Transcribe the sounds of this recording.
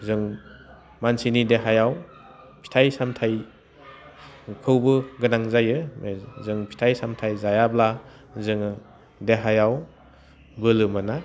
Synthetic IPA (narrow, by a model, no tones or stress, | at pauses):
zɯŋ | mansinideɦajaw | pʰi̥tʰajsamtʰaj | kʰɯwbɯɡɯnaŋzajɯmzɯŋpʰi̥tʰajsamtʰajzajabla | zɯŋ | deɦajaw | bɯlɯmɯna